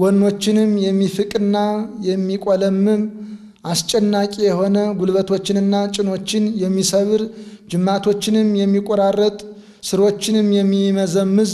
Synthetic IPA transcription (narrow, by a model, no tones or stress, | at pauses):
wɔnːo̞t͡ʃːɪnɨmjɛmːifɨkʼɨnːajɛmːikʼoləmːɨm | ʔast͡ʃʼɛnːakʼijɛho̞nəɡulβət̪ʰo̞t͡ʃːɪnɨnːat͡ʃʼɪno̞t͡ʃːɪnjɛmːisəβɨɾd͡ʒɨmːat̪ʰo̞t͡ʃːɪnɨmjɛmːikʼoɾarːət̪ʼ | sɨɾo̞t͡ʃːɪnɨmːjɛmːiməzəmːɨz